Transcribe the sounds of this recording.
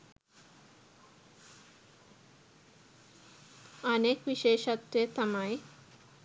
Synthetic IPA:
anekbiʃeeʃat̪ɾet̪amaj

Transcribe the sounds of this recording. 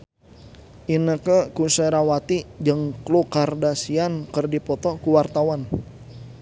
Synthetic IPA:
ʔinəkəkusəɾawat̪id͡ʒəŋklukardasiankərdipɔt̪ɔkuwart̪awan

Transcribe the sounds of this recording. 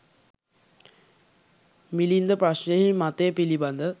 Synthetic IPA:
milind̪əpɾaʃnəjəɦimat̪ejpiliband̪ə

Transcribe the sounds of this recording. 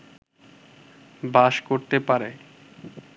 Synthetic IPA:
baʃkoɾt̪epaɾe

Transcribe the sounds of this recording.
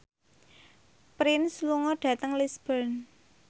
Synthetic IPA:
pɾɪnsluŋɔɖ̥ä̤t̪əŋlisb̥ən

